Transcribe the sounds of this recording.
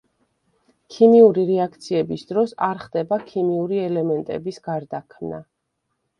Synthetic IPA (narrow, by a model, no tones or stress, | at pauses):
kʰimiuɾiɾɛakʰt̪sʰiɛbisd̪ɾɔsaɾχd̪ɛbakʰimiuɾiɛlɛmɛnt̪ʼɛ̰bisɡ̥aɾd̪akʰmna